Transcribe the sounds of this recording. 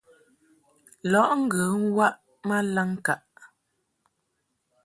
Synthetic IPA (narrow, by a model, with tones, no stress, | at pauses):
lɔ˨˦ʔŋ̩˦ɡə˨˦ŋwa˦ʔ | ma˦la˦ŋka˨ʔ